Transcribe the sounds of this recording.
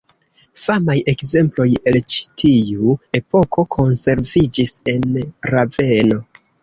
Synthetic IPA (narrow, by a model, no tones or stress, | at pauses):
famaje̞kze̞mplo̞je̞lt͡ʃi̥tʰiue̞po̞ko̞kʰo̞nse̞ɾvid͡ʒise̞nɾave̞no̞